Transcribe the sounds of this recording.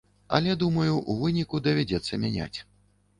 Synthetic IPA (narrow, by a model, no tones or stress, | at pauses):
ɐ̰lʲɛd̪umɐjuʔuvɨnʲikud̪ɐvʲad͡zʲɛt̪sːɐmʲanʲa̰t͡sʲ